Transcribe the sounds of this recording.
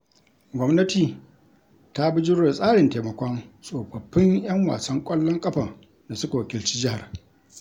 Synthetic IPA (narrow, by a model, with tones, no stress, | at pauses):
ɡʷɔ˦mnɐ˦tiː˨ | ta˦bɪ˦d͡ʒɪ˦ɽɽe˨sʼaː˦ɽɪ˨nteː˨mɐ˨kʷɔ˦nsʼoː˨bɐ˨ɸːɪ˦ŋjɐ˦ŋwa̰ː˨sɐ˦ŋkʷʼɐ˦lːɔ˦ŋkʼɐ˦ɸa˨ | da˨sʊ˦ka˨wɐ˨kʲɪ˨lt͡ʃiː˦d͡ʒɪ˦ha˨r